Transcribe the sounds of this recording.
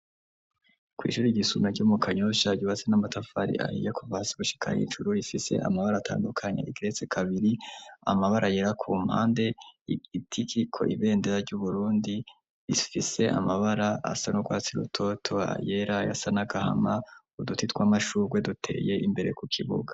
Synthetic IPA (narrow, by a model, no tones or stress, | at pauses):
kwḭːʃuːɾiɟisumaɾɟuːmukʰaɲoʃaɟuβat͡senamatafaɾḭʔa̰hḭjekuvaːsiɡuʃi̥kʰa̰hḭːnʒuɾuifise̞̰ʔa̰maβaɾaːtʰa̰ːndukʰaɲḛiɡiɾe̞t͡sekʰaβiɾia̰maβaɾʔaje̞ɾakʰuːm̥ha̰ːnde̞iitʰikikʰo̞̰ʔiβe̞ːndeɾaɾɟuβuɾuːndi | ifise̞ʔa̰maβaɾaa̰sanoɡwaːt͡siɾṵtʰo̞tʰoa̰je̞ɾaja̰sanaɡaha̰ma | udutitkwamaʃuːɾɡwe̞dutʰe̞̰ːje̞ʔimbe̞ɾekukʰiβṵɡḁ